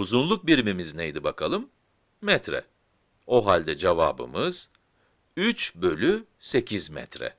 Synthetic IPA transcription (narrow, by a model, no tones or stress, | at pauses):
uzunlˠuk̚biɾimimiznejd̪ibakʰalˠɯmː | ɛt̪ɾɛ̰ | o̞ɦalʲd̪ɛd͡ʒeva̰ːbɯ̰mɯz̥ | yt͡ʃbø̞lʲyse̞cʰizmɛ̰t̪ɾɛ̰